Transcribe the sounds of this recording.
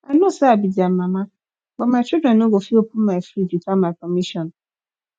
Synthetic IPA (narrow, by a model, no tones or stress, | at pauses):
anʊsaabidiam̩mãma | ɡ͡bɔmaɪt͡ʃidɾɛnoɡofiopum̩majfɾiditamaɪkɔmiʃɔ̃n